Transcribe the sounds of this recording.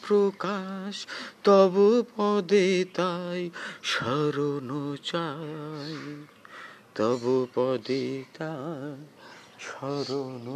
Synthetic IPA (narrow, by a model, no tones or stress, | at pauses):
pɾokaʃt̪ɔbupɔd̪et̪ajʃɔɾonot͡ʃaj | t̪ɔbupɔd̪et̪a | ʃɔɾon